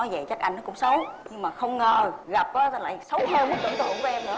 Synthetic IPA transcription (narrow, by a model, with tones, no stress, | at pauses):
ɔ˨˦jzə̰˧˨jt͡ɕa˦˥k̚ʔa˧jŋnɔ˨˦kʊ̰˧˥ŋ͡msə˨˦wɲɨ˧ŋmaː˨˩xə˧wŋ͡mŋəː˨˩ɣa˨˩p̚kɔː˨˦t̪ə˧la̰ː˧˨jsə˨˦wt̪ʰɛ˧wmi˦˥k̚t̪ɨ̰˧˨nt̪ɨ̰˧˨əŋku˧˦ʔɛ˧mnɨ̰˨˩